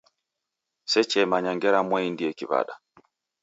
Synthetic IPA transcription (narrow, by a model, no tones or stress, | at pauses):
sɛt͡ʃɛmaɲaŋɡɛɾamwɛindiɛkiβa̰ɗa